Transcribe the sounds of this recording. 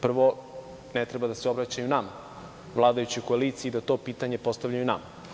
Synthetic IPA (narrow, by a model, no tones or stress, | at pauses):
pr̩ʋo̞ | net̪ɾe̞bad̪aseobɾat͡ɕajunama | ʋlˠaːd̪ajut͡ɕiko̞aliːt̪sijiːd̪at̪o̞piːt̪aɲe̞po̞st̪avʎajunama